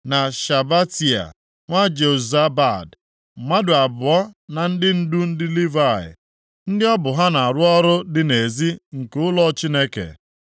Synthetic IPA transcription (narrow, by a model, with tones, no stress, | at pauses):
na˨ʃa˨ba˦ti˨a̰˨ | ŋʷa˦d͡ʒe˨u˨za˦ba˦˨d̩˨ | ma˦dʊ˨a˨bʊ˨ɔ˦na˨n̩˦dɪ˦n̩˦du˦n̩˦dɪ˦li˦va˦˨ɪ̰˨ | n̩˦dɪ˦ɔ˦bʊ˨ɦa˦na˨a˨ɾʊ˦ɔ˦ɾʊ˦dɪ˨ne˨zi˦ŋ̩˨kʊ˦lɔ˦t͡ʃi˦ne˦kḛ˨